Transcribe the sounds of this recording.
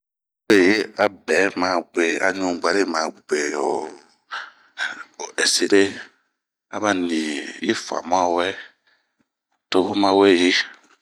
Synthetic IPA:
e˨je˦a˨bɛ˨˦mã˨ɡ͡be˨a̰˨ɲũ˨ɡ͡ba˨ɾe˦˨mã˨ɡ͡bɡ͡be˨o̰˨ | o˨ʔɛ˨se˦ɾe˦ | a̰˦ba˦nĩ˨je˦fa̰˨m˦ã˦˨wɛ˦˨ | to˦vo˦mã˦wɛ˦˨je˦

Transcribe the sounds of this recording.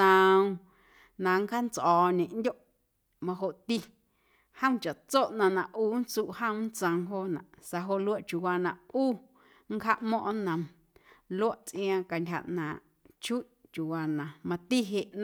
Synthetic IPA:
ə̃˨˧w | nã˨ŋ˦kha˦nt͡sʔɔː˨ɲẽ˨ʔn˦dʲo˦ʔ | mã˧ɦo˧ʔt̪i˧ | hə̃˦w̃t͡ʃa˨ʔt͡so˦ʔnã˧nã˨ʔʔuː˦n˦t͡suː˧ʔhə̃˦m˦n˦t͡sə̃˧ŋɦo˧nã̰˨ʔsa˧ɦo˧ʔlu˦a˦ʔt͡ʃu˨waː˧nã˨ʔuː˦ | ŋ̩˦kha˦ʔmɔ̃˦ʔnə̃˨m | lu˦ə˦ʔt͡sʔj̃ã˧ka˨ndʲɦa̰˧˨ʔnãː˨ʔ | t͡ʃu˦ʔt͡ʃu˨waː˧nã˨mã˧t̪i˦ɦe˧ʔn˧

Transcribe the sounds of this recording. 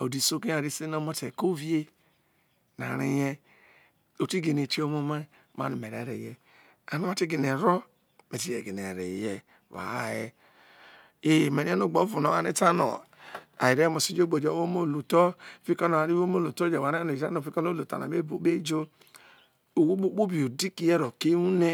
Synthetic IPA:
o˨di˨so˦ki˦a˨ɾi˦si˦no˦mo˦te˨ko˦vi˦e˦ | na̰˨ɾḭ˦jɛ˦ | o˨ti˦ɡe˨ne˨ti˦o˦mo˦ma˦ | ma̰˦nu˨me˨ɾe˨˦ɾe˨jɛ˨ | a˨mi˦a˦ti˦ɡi˨ne˨ɾɔ˦ | me˨ti˦jɛ˨ɡi˨n˨e˨ɾe˨jɛ˨ | wa̰˨jɛ˦ | e˦˨me˨ni˦ɛ˦nu˦˨ɡ͡bo˨˦vu˨no˨˦a˨ne˦ta˦no̰˨ | a̰˨ji˨ɾɛ˦mo˨si˦d͡ʒo˦ɡ͡bo˨d͡ʒe˨˦o˦mo˦˨lu˨tɔ˦˨fi˦kɔ˦no˨a˨ɾi˦o˦mo˦lu˨tɔ˦d͡ʒe˨wa˨ɾa˦no˨i˨a˦no˨fi˦kn˦o˦lu˨ta̰˨na̰˨me˦bo˨˦be˦d͡ʒo˦ | o˨wu˦ɓo˦k͡pu˦bi˨o˨di˦ki˨jɛ˦ɾo˨ke˦u˦ne˦

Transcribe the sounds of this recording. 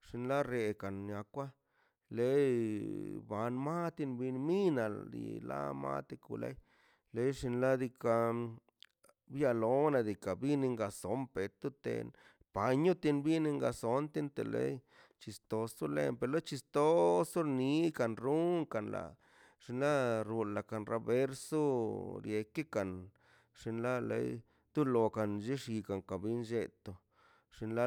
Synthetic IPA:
ʂi˧nla˦ɾe˧ka˨nɲa˧kʷa˦ | le˦j | ba˨˧nma˦t̪i˧nbi˧nmi˦na̰˨d̪ḭ˧la̰˦ma̰˦t̪e˧kṵ˧lḛ˦j | le˦jʂi˧nla˦d̪i˧ka˧ | bja˧lo˦na˧d̪i˨ka˨bi˦ni˧ŋɡa˧so˨˦mpe˨˧t̪u˦t̪ḛ˧n | pa˨˧ɲu˦t̪i˧nbi˦ne˧ŋɡa˧so˧˦nt̪i˦nt̪e˨lḛ˦j | t͡ʃi˧st̪o˧su˦lḛ˦˧mpe˧lo˦t͡ʃi˧st̪o˦su˦ɾni˧˦ka˨nɾu˦ŋka˨nla̰˨ | ʂi˧nla˦ɾu˧nla˨ka˨nɾa˨be˦ɾso˦ɾje˧ke˦ka˨n | ʂi˧nla˦lḛ˧˦j | d̪u˦lo˧ka˨nd͡ʒe˦ʂi˧ka˨ŋka˨bi˦nd͡ʒe˧t̪o˧ | ʂi˧nla˦

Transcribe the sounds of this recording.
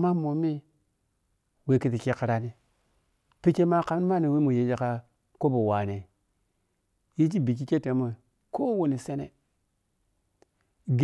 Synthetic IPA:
ma˦mo˨mi˦ | we˨˦ki˨ti˨ki˦ka˨ɾa˦ni˦ | pi˦ke˦ma˦ka˨m˦ma˦˨ni˨we˦mu˨je˨˦d͡ʒe˦ka˦ | ko˦bo˨wa˨ne˨ | ji˦t͡ʃi˦bi˨k̬i˦ke˦te˨˦mo˨ | ko˦wo˨ni˨se˦nḛ˨ | ɡ

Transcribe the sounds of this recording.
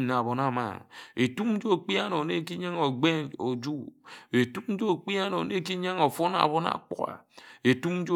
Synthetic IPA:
na˨βo˨na˨ma̰˨ŋe˨tu˦m˦d͡ʒo˦˨k͡pi˦a˦no˨ne˦ki˦ɲa˦ŋo˨ɡ͡be˦no˨d͡ʒu˦e˨tu˦m̩˦d͡ʒo˦˨k͡pi˦a˦no̰˨ne˦ki˦ɲa˦ŋo˨fo˦na̰˨bo˦na̰˨k͡pṵ˦a̰˨e˨tu˦m˦d͡ʒo˦

